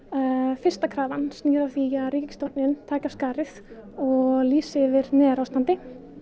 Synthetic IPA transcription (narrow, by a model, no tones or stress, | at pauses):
fɪr̥st̪akʰɾaːvanstniːɾaθiaðɾiːcɪst̪owt̪nɪnt̪ʰaːkḁskaːɾɪθ | ɔɣliːsɪvɪɾnɛːðɾawst̪ant̪ɪ